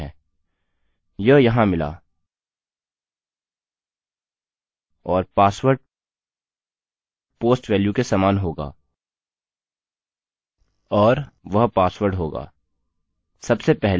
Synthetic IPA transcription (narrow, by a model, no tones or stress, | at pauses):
ɛ̰̃ː | jɐɦjɐɦãmɪla̰ː | ɔːɾpaːsʋəɾɖ | poːsʈʋɛːljukesaːmaːnɦoːɡa̰ː | ɔːɾʋɐɦpaːsʋəɾɖɦoːɡa̰ː | sɐbsepɛɦl